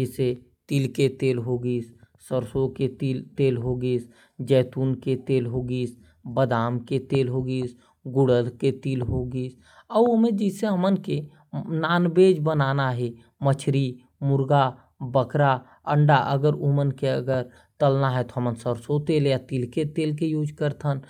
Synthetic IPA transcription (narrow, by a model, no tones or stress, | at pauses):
d͡ʒɪse | t̪ilket̪eːlɦoɡiːssəɾsoket̪ilt̪eːlɦoɡis | d͡ʒɛːt̪uːnket̪eːlɦoɡiːs | bəd̪aːmket̪eːlɦoɡis | ɡʊɽəlket̪iːlɦoɡiːs | ɔomẽd͡ʒɪseɦəmənke | naːnbeːd͡ʒbənaːnaɦɛ | mət͡ʃʰɾi | mʊɾɡa | bəkɾa | əɳɖaʔəɡəɾumənkeəɡəɾ | t̪əlnaɦɛt̪oɦəmənsəɾsot̪eːljat̪ilket̪eːlkejuːd͡ʒkəɾt̪ʰən